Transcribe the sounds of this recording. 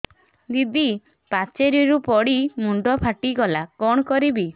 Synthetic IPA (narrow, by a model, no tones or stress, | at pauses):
d̪id̪i | pat͡ʃeɾiɾupɔɽimuɳɖɔpʰaʈiɡɔlakɔɽ̃ɔkɔɾibi